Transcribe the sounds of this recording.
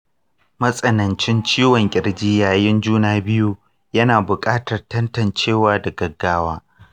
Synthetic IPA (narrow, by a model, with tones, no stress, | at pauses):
mɐ˦sʼɐ˦nɐ˨nt͡ʃɪ˦nt͡ʃiː˦wɔ˨ŋkʲʼɪ˨rd͡ʒiː˦jaː˨jɪ˦nd͡ʒuː˦naː˨bɪ˦ju˦ | jɐ˦naː˨bʊ˨kʼaː˦tɐ˨rtɐ˦ntɐ˨nt͡ʃeː˦˨waː˦dɐ˨ɡɐ˨ɡːaː˦waː˦